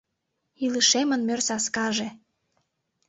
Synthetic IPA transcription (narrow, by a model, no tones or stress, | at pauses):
iləʃemə̆nmørsɑskɑʒe